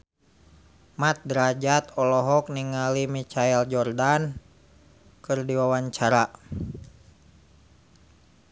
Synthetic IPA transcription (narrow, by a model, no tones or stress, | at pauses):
mat̪̚dɾad͡ʒat̪ɔlɔɦɔk̚niŋalimit͡ʃaɛld͡ʒɔrdan | kɨrdiwawaɲt͡ʃaɾa